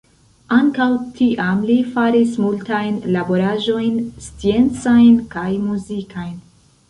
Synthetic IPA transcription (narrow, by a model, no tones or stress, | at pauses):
aŋkawtʰiʔamlifaɾismultajnlabo̞ɾaʒo̞jnst͡sie̞nt͡sajnkajmuzikʰajn